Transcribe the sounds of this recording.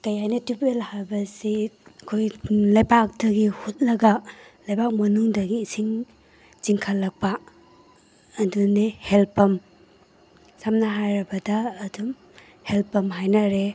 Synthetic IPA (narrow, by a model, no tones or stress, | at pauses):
kɐjajnɐtupelhaɾbɐsiɐkʰojlɐjbak̚dɐɡihut̚lɐɡɐlɐjbak̚mɐnuŋdɐɡiːsiŋ | t͡ʃiŋkʰalːɐk̚pa | dunihelpɐm | samnɐɦajɾɐbɐdɐːdum | helpɐmɦajnɐɾe